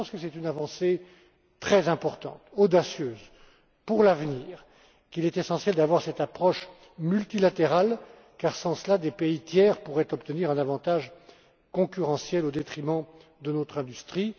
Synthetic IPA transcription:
ɑ̃skəsɛt̪ynavɑ̃se | t̪χɛzɛ̃pɔʁt̪ɑ̰̃t̪od̪asjøːz | puʁlavniːʁ | kilɛt̪esɑ̃sjɛld̪avwaʁsɛt̪apχɔʃ | mylt̪ilat̪eʁal | kaʁsɑ̃səlad̪epeit̪jɛːʁpuʁɛt̪ɔpt̪əniʁɛ̃navɑ̃t̪aʒ | kɔ̃kʲyʁɑ̃sjɛlod̪et̪χimɑ̃d̪ənɔt̪χɛ̃d̪yst̪χi

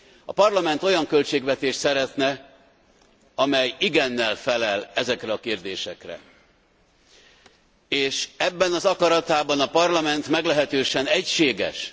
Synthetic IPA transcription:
ɒ̰pɒrlɒmɛnt̪o̞jɒŋkø̞lt͡ʃeːɡvɛt̪eːʃt̪sɛɾɛt̪nɛ | ɒmɛjiɡɛnːɛlfɛlɛlɛzɛkɾɛɒkeːrd̪eːʃɛkrɛ̰ | eːʃɛbːɛnɒzɒkɒɾɒt̪aːbɒnɒpɒrlɒmɛnt̪mɛɡlɛɦɛt̪øːʃɛnɛcʃeːɡɛ̰ʃ

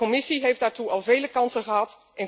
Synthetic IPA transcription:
omɪsiɦejfdaːɹtuʔɑlˠvejləkɑnsəχəɦɑt | ʔɛn

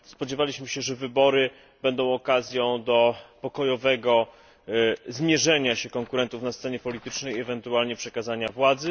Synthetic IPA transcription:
spɔd͡ʑɛvalʲiɕmɘɕɛʐɛvɘbɔɾɘ | bɛnd̪ɔ̃w̃ɔkazʲjɔ̃w̃d̪ɔpɔkɔjɔvɛɡɔ | zmʲjɛʐɛɲaɕɛkɔŋkuɾɛnt̪ufnast̪sɛɲɛpɔlʲit̪ɘt͡ʂnɛjɛvɛnt̪ualɲɛpʂɛkazaɲavwad̪zɘ

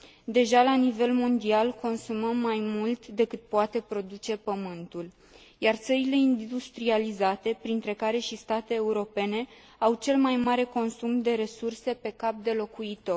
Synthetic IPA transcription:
d̪e̞ʒalanive̞lmo̞nd̪ialko̞nsuməmːajmult̪d̪e̞kɨt̪̚poat̪e̞pɾo̞d̪ut͡ʃe̞pəmɨnt̪ul | jart̪səɾile̞ind̪ust̪ɾializat̪e̞pɾint̪ɾe̞kaɾe̞ʃist̪at̪e̞ːuɾo̞pe̞ne̞ | awt͡ʃe̞lmajmaɾe̞ko̞nsumd̪e̞ɾe̞surse̞pe̞kap̚d̪e̞lo̞kuit̪o̞r

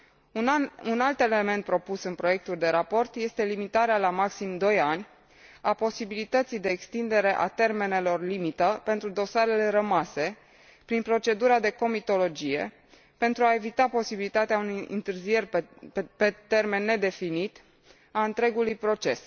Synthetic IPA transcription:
unalt̪e̞le̞me̞nt̪̚pɾo̞pusɨnpɾo̞je̞k̚t̪uld̪e̞ɾapo̞rt̪je̞st̪e̞limit̪aɾealamaksimd̪o̞janʲ | apo̞sibilit̪ət̪sijd̪e̞ːkst̪ind̪e̞ɾe̞ʔa̰t̪e̞rme̞ne̞lo̞rlimit̪əpe̞nt̪ɾud̪o̞saɾe̞le̞ɾəmase̞ | pɾinpɾo̞t͡ʃe̞d̪uɾad̪e̞ko̞mit̪o̞lo̞d͡ʒije̞̰ | pe̞nt̪ɾuae̞vit̪apo̞sibilit̪at̪eaunujɨ̰nt̪ɨrzije̞rʲpe̞t̪e̞rme̞nːe̞d̪e̞finit̪ | aɨnt̪ɾe̞ɡulujpɾo̞t͡ʃe̞s

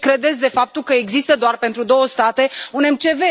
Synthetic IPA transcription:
kɾe̞d̪et̪sʲd̪e̞fap̚t̪ulkəe̞ɡzist̪əd̪oarpe̞nt̪ɾud̪o̞wəst̪at̪e̞une̞mt͡ʃe̞ve̞

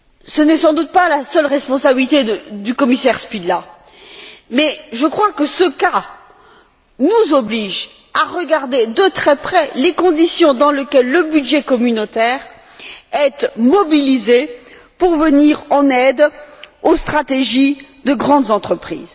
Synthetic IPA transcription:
sənɛsɑ̃d̪ut̪̚palasœlʁɛspɔ̃sabilit̪ed̪ykɔmisɛʁspid̪la | mɛʒəkχwakəsəka | nuzɔbliʒ | aʁəɡaʁd̪ed̪ət̪χɛpχɛlekɔ̃d̪isjɔ̃d̪ɑ̃ləkʲɛlːəbyd̪ʒɛkɔmynot̪ɛʁ | ɛt̪mɔbilize | puʁvəniʁɑ̃nɛd̪ost̪χat̪eʒid̪əɡʁɑ̃d̪zɑ̃t̪χəpχḭːz

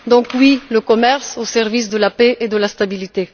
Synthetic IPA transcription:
d̪ɔ̃kwiləkɔmɛʁsosɛʁvis̬d̪əlapeʔed̪əlast̪abilit̪e

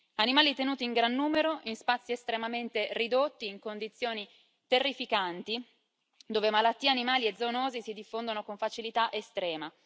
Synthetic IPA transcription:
animaːlit̪enuːt̪iːŋɡɾanːuːmeɾoʔinspat̪sːiest̪ɾemament̪erid̪ot̪ːiːŋkond̪it̪sːjoːni | t̪erːifikant̪i | d̪oːvemalat̪ːiːeanimaːlied̪zonoːzisid̪ifːond̪onokoɱfat͡ʃilit̪aʔest̪ɾɛːma

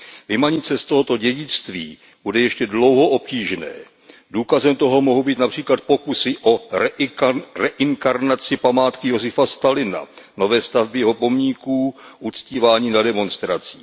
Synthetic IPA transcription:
vɪmaɲɪt͡sɛst̪o̞ɦo̞t̪o̞ɟɛɟɪt͡st̪viː | budɛjɛʃcɛdlo̞wɦo̞ʔo̞p̚ciːʒnɛ̰ː | duːkazɛmt̪o̞ɦo̞moɦubiːt̪napr̝̥iːklat̪̚po̞kusɪʔo̞ | rɛʔɪŋkaɾnat͡sɪpamaːt̪kɪjo̞zɪfast̪alɪna̰no̞vɛːst̪avbɪjɛɦo̞po̞mɲikuːʔut͡sciːvaːɲiːnadɛmo̞nst̪ɾat͡si̥ː

